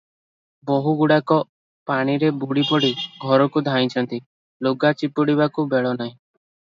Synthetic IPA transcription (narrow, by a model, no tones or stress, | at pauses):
bɔɦuɡuɽakɔ | paɽ̃iɾebuɽipɔɽiɡʱɔɾɔkud̪ʱaĩt͡ʃʰɔnt̪i | loɡat͡ʃipuɽiβakubeɭɔnaɦĩ